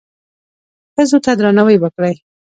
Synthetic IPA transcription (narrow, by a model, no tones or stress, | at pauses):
xəzot̪ad̪ɾɑnawəjwəkɽəj